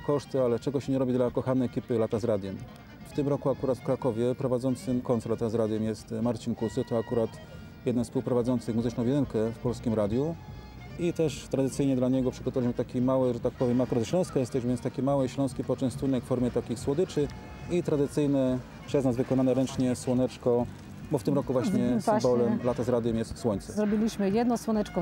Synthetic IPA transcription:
kɔʂt̪ɘalɛt͡ʂɛɡɔɕɛɲɛɾɔbʲid̪lakɔxanɛɛkʲipɘlat̪azɾad̪ʲjɛm | ft̪ɘmɾɔkuakuɾat̪fkɾakɔvʲjɛpɾɔvad̪zɔnt̪sɘmkɔnt̪lat̪azɾad̪ʲjɛmjɛst̪maɾt͡ɕinkusɘt̪ɔakuɾat̪ | jɛd̪nɛnspuwpɾɔvad̪zɔnt̪sɘɣmuzɘt͡ʂnɔ̃wvʲbjɛd̪ɘɾkɛfpɔlskʲimɾad̪ʲju | it̪ɛʂt̪ɾad̪ɘt̪sɘjɲɛd̪laɲɛɡɔpʂɘɡɔt̪ɔvalʲiɕmɘt̪akʲimawɛʐɛt̪ak̚pɔvʲjɛmakuɾat̪ɕlɔ̃w̃skɔjɛst̪ɛʑvɛnst̪akʲimawɛɕlɔ̃w̃skʲipɔt͡ʂɛ̃w̃st̪unɛkfɔɾmʲjɛt̪akʲixswɔd̪ɘt͡ʂɘ | it̪ɾad̪ɘt̪sɘjnɛ | pʂɛznazvɘkɔnanɛɾɛnt͡ʂɲɛswɔnɛt͡ʂkɔ | bɔft̪ɘmɾɔkuvwaɕɲɛsbɔlɛmlat̪azɾad̪jɛmjɛst̪swɔɲt̪sɛzɾɔbʲilʲiɕmɘjɛd̪̚nɔswɔnɛt͡ʂkɔ

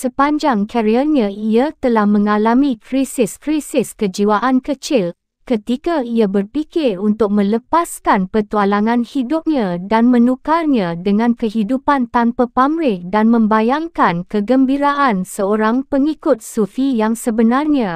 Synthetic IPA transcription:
səpaɲd͡ʒaŋkʰaɾiaɲãiat̪əlahmə̃ŋalamĩkɾisɪskɾisɪskəd͡ʒiwaʔankət͡ʃɪl | kət̪ikaiabərpikɪrunt̪ʊk̚mə̃ləpaskanpərt̪ualaŋãnhidʊp̚ɲãdanmə̃nukarɲãdəŋãnkəɦidupant̪anpapamɾɪdanmə̃mbajaŋkankəɡəmbiɾaʔansəoɾaŋpəŋikʊt̪̚sufijaŋsəbənarɲã

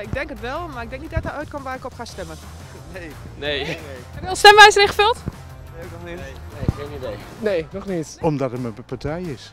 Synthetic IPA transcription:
ɪɡ̚dɛŋkətʋɛlˠmarɪɡ̚dɛŋknitdɔt̚aœɥt̚kɔmʋaɪkɔpχastɛmən | ne | neːkɛnɔlˠstɛmʋɛjsənɪχəfølˠt | eoknɔxnɪeenidej | neːnɔχnɪtɔmdɔtətməəpatʰɛjɪs

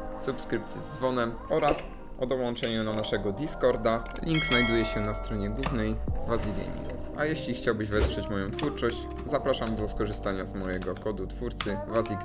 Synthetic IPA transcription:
supskɾɘp̚t̪sʲjɛzd̪zvɔnɛm | ɔɾas | ɔd̪ɔwɔnt͡ʂɛɲɛnanaʂɛɡɔd̪ʲiskɔɾd̪a | lʲiŋɡznajd̪ujɛɕɛnast̪ɾɔɲɛɡwuvnɛjvazʲiɡʲɛ̰ɲḭɡ | ʔajɛɕlʲixt͡ɕawbɘʑvɛspʂɛt͡ɕmɔjɔ̃w̃t̪fuɾt͡ʂɔɕt͡ɕ | zapɾaʂamd̪ɔskɔʐɘst̪aɲazmɔjɛɡɔkɔd̪ut̪fuɾt̪sɘvazʲiɡ

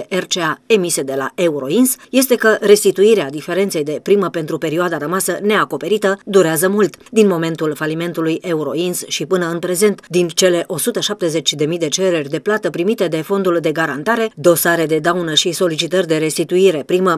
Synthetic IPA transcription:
ʔert͡ʃeae̞mise̞d̪e̞la̰euɾo̞insje̞st̪e̞kəɾe̞st̪it̪uiɾead̪ife̞ɾe̞nt̪se̞jd̪e̞pɾiməpe̞nt̪ɾupe̞ɾioad̪aɾəmasəne̞ako̞pe̞ɾit̪əd̪uɾeazəmult̪d̪inmo̞me̞nt̪ulfalime̞nt̪ulujʔe̞uɾo̞̰insʃipɨnəɨnpɾe̞ze̞nt̪d̪int͡ʃe̞le̞ʔo̞sut̪əʃap̚t̪e̞ze̞t͡ʃʲd̪e̞mijd̪e̞t͡ʃe̞ɾe̞rʲd̪e̞plat̪əpɾimit̪e̞d̪e̞fo̞nd̪uld̪e̞ɡaɾant̪aɾe̞d̪o̞saɾe̞d̪e̞d̪awnəʃiso̞lit͡ʃit̪ərʲd̪e̞ɾe̞st̪it̪uiɾe̞pɾimə

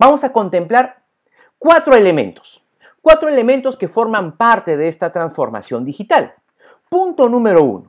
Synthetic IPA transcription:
bamo̞sako̞nt̪e̞mplaɾ | kwat̪ɾoe̞le̞mẽ̞̰nt̪o̥s | kwat̪ɾoele̞ment̪o̞ske̞fo̞ɾmampaɾt̪e̞ðeest̪at̪ɾansfo̞ɾma̰sjo̞nd̪ixit̪al | punt̪o̞nũme̞ɾo̞ṵno

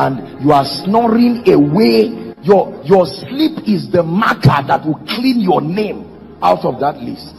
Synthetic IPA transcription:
ãndjuasnɔɹĩŋewejɔjɔslipizðəmakʰəðatwikʰlĩnjɔnẽm | awtɔvðatlḭst

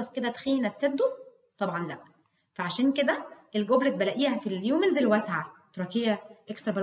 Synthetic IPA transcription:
ɑsked̪æt̪xiːnæt̪sæd̪ːo | t̪ˤɑbʕɑnlæʔ | fæʕaʃæːnked̪æelɡoblet̪̚bælæʔiːhæfiljuːmenzelwæsʕat̪ɾˤɑkejæʔekst̪ɾˤɑbæl

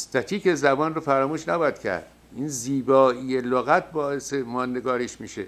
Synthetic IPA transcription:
st̪æt̪ʰiːkezæbɒːnrofæɾɒːmuːʃnæbɔæd̪cʲʰæ̰ɾd̪̥ | iːnziːbɒːijeloɣæt̪̚ʰbɒːesemɒːnd̪eɡɒːɾeʃmiːʃḛ

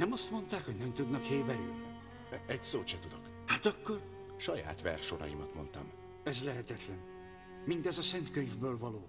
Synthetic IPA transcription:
nɛmɒst̪mo̞nt̪aːkho̞ɟnɛmt̪ud̪nɒkheːbɛɾy̰lni | ɛɟsoːt͡ʃɛt̪ud̪o̞k | haːt̪ɒkːo̞r | ʃɒja̰ːt̪ʋɛ̰rʃo̞ɾɒ̰jimɒt̪mo̞nt̪ɒ̰m | ɛzlɛɦɛt̪ɛt̪lɛn | mint̪ɛzɒsɛnt̪køɲvbøːlvɒloː

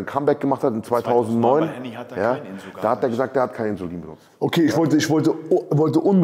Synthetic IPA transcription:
nkʰambɛɐk̚ɡ̥əmaχthatɪnt͡sv̥aɪtʰaʊzn̩tnɔʏnjaːd̥aːhatdeːɐɡəzaːk̚td̥eːɐhat̚kʰaɪnəɪnzoliːnbənʊ̰t͡stʔokʰeːɪçv̥ɔltəɪçv̥ɔltəvɔltəʔʊnb

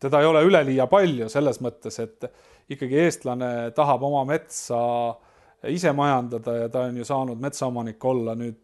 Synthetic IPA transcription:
t̪e̞d̪ɑejo̞le̞yle̞liːjɑpɑlʲjuse̞lːe̞smɤt̪ːe̞se̞t̪ːˑ | ikːɑɡ̥ie̞ːst̪lɑne̞t̪ɑɦɑb̥o̞mɑme̞t̪sɑ | ise̞mɑjɑnd̪ɑd̪̥ɑjɑt̪ɑonjusɑːnud̪̥me̞t̪sɑo̞mɑnikːˑo̞lːɑnyːd̪̥

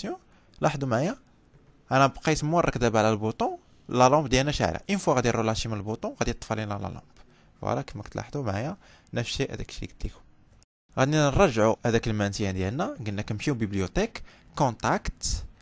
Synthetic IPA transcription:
jɔ̃ | lɑħd̪umʕajæ | ʔænæbqɑjsəmːurˤʔɑkd̪æbʕlælbut̪ˤɔ̃ | lɑlɑ̃mbd̪jælnæʃa̰ʕlæ̰ʔənfwaɣæd̪iɾulɑʃimənəlbut̪ˤɔ̃ɣæd̪it̪ˤːfɑlinælɑ̰lɑ̰̃mb̥ | fwɑ̰ɾˤɑkəməkt̪la̰ħd̪umʕajæ | nəfʃiʔæ̰d̪æ̰kʃḭɡ̚t̪likʊ̥m | ɣæd̪ninɾˤɑʒːʕuhæd̪ækəlmænsəjːæd̪jælnæɡənːækəmʃiwbiblijut̪ekː | ɔ̃t̪akt̪

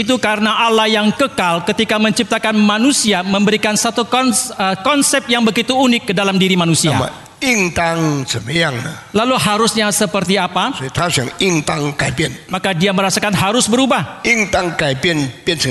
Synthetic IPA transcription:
it̪̬ukaɾənaʔalahjaŋkəkalkət̪ikaməɲt͡ʃip̚t̪akanmanusiaməmbəɾikansat̪ukɔnəkɔnsɛp̚jaŋbəɡit̪uːnɪkːədalamdiɾimanusiama̰ | iŋt̪aŋsəməjaŋna̰ | laluɦaɾʊsɲasəpərt̪iapast̪ʰasjaŋiŋt̪aŋkapiənmakadiaməɾasakanɦaɾʊsbəɾubahiŋt̪aŋkaipiənpiənsə

